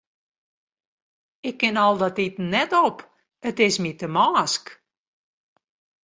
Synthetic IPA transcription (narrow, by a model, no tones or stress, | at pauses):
ɪkːɪnɔlˠdɔtitnɛtɔp | ətɪsmitəmaːsk